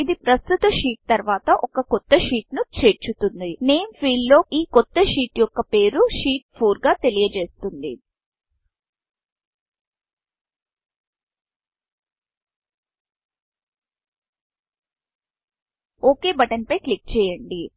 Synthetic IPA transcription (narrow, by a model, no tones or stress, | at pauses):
id̪ipɾɐst̪ut̪ɐʃiːʈ̚t̪ɐɾʋaːt̪ɐʔɔkɐkɔt̪ːɐʂiːʈnut͡ʃe̞ːɾt͡ʃut̪und̪ine̞ːmpʰiːllo̞ːʔiːkɔt̪ːɐʂiːʈjɔkːɐpe̞ːɾuʂiːʈ̚pʰuːɾɡaːt̪e̞lijɐt͡ʃe̞ːst̪und̪i | oːke̞ːbɐʈɐnpɐjklik̚t͡ʃɛːjɐɳɖi